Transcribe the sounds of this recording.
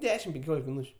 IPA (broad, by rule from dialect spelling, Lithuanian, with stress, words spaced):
ˈdʲæːʃʲɪm pʲɛŋʲˈkʲoːlʲɪk mʲɪˈnuːt͡ʃʲʊ